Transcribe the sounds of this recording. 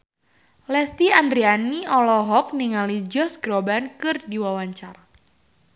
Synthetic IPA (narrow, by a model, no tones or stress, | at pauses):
lɛst̪iandɾianiɔlɔɦɔk̚niŋalid͡ʒɔsɡɾɔbankɨrdiwawaɲt͡ʃar